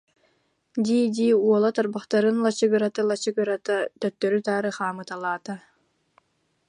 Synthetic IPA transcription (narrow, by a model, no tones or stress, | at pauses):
d̪iːd̪iːuɔlˠat̪ɔɾbaχt̪aɾɯnlˠat͡ɕɯɡɯɾat̪alˠat͡ɕɯɡɯɾat̪at̪œt̪ːœɾyt̪aːɾɯχaːmɯt̪alˠaːt̪a